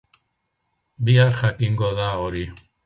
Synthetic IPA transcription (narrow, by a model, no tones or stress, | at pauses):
biaɾxakiŋɡoðaoɾi